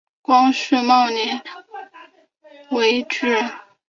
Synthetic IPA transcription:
kwɑ˥ŋʂɻ̩˥˧mɑ˥˩ʊnɛ˧˥n | we˧˥ɪʈ͡ʂɻ̩˥˩

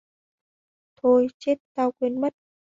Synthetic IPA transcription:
t̪ʰo˧˩jt͡ɕe˦˥t̚t̪aː˧wkwi˧ənmə˦˥t̚

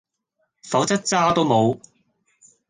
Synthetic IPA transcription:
fɐ˨˥wt͡sɐ˥t̚t͡saː˥t̪o˥wmo˨˧w

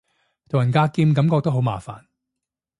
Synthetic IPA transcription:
t̪ʰo˨˩wjɐ˨nkaː˧kiː˧mkɐ˨˦mkɔː˧k̚t̪ɐ˥wɦo˨˥wma̰ː˨˩fa̰ː˨˩n

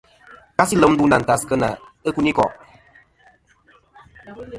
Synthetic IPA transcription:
ka˦si˦lə˨˦m̩˦du˦na˨n̩˨ta˨skə˦na̰˨ə˦ku˦ni˦kɔ̰˨ʔ

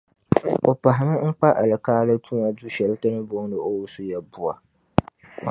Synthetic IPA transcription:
o˨pa˨ɦɪ˨mɨ˦ŋ̩˦k͡pa˦ʔa̰˨lɨ˨kaː˦lɨ˦tuː˦ma˦du˦ʃɛ˨lta˦nɨ˦boː˦nɨ˨o˦wu˦su˦jɛ˦bʊ˦a˨

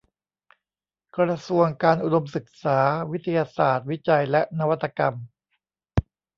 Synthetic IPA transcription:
kɾa˧su˧əŋkaː˧nʔu˨do˧msɯ˨˩k̚saː˩˦wi˦˥t̪ʰa˧jaː˧saː˨˩t̪̚wi˦˥t͡ɕa˧jlɛ˦˥ʔna˦˥wa˦˥t̪ʰːa˧ka˧m

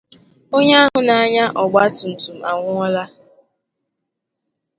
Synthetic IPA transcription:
o˦ɲa˦a˦ɦʊ˨na˨a˦ɲa˦ʔɔ˨ɡ͡ba˦tʊ˨n̩˨tu˨m̩˨a˨ŋʷʊ˦ɔ˦la˦

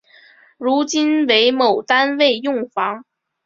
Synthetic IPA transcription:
ɻu˧˥t͡ɕi˥nwe˧˥ɪmo˨˩ʊt̪a˥nwe˥˧ɪjʊ˥˩ŋfɑ˧˥ŋ

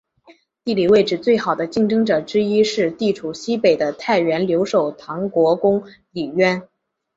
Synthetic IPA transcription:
t̪i˥˩li˨˩we˥˩ɪʈ͡ʂɻ̩˨˩t͡swe˥˩ɪxɑ˨˩ʊd̪ə˦t͡ɕi˥˩ŋʈ͡ʂɤ˥ŋʈ͡ʂɤ˨˩ʈ͡ʂɻ̩˥i˥ʂɻ̩˥˧t̪i˥˩ʈ͡ʂʰu˨˩ɕi˥pe˨˩ɪd̪ə˦t̪ʰa˥˩ɪɥɛ˧˥nljo˧˥ʊʂo˨˩ʊt̪ʰɑ˧˥ŋkwɔ˧˥kʊ˥ŋ | li˨˩ɥɛ˥n

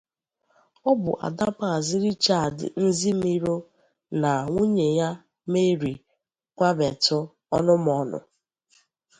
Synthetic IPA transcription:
ɔ˦bʊ̰˨ʔa̰˨da˦pa˦˨zɪ˦ɾi˦t͡ʃa˦˨dɪ̰˨n̩˦zi˦m̩˦i˦ɾo˦ | na˨ŋʷu˦ɲe˨ja˦ | me˦ɾi˨ | kʷa˦be˨tʊ˦ | ɔ˦nʊ˦m˦ɔ˦nʊ̰˨

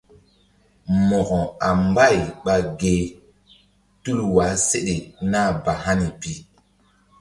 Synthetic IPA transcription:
mɔ˨kɔ˨a˨m˦ba˦˨jɓa˨ɡe˨ | tu˦lwa˨˦se˦ɗe˨na˦˨ba˨ɦa˦ni˨pi˨

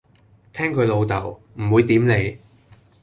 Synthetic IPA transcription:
t̪ʰɛː˥ŋkʰɵ˨˧ɥlo˨˧wt̪ɐ˨˩w | m̩˨˩wuː˨˧jt̪iː˨˥mne˨˧j

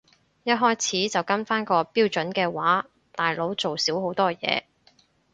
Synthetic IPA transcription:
jɐ˥t̚ɦɔː˥jt͡sʰiː˨˥t͡sɐ˨˩wkɐ˥nfaː˥nkɔː˧piː˥wt͡ʃɵ˨˥nkɛː˧waː˨˥ | t̪aː˨jlo˨˧˥wt͡so˨wsiː˨˥wɦo˨˥wt̪ɔː˥jɛ̰ː˨˧

